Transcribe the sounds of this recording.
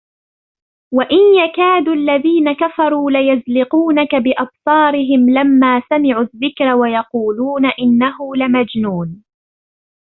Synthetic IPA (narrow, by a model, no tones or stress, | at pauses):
waʔɪnjakaːd̪ualːaðiːnakafɑɾˤuːlɪjazlɪquːnakabɪʔɑbsˤɑːɾɪɦɪmlamːaːsamɪʕʊðːɪkɾawajɑquːluːnaʔɪnːaɦʊlɪmad͡ʒnuːn